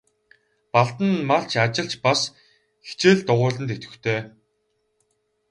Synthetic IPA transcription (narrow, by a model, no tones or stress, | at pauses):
paɮt̪ə̆nmaɬt͡ɕʰat͡ɕɪ̆ɮt͡ɕpas | xe̥t͡ɕeːɮt̪ʊʁʊːɮə̆nt̪et̪ɡɘ̆t̪ʰeː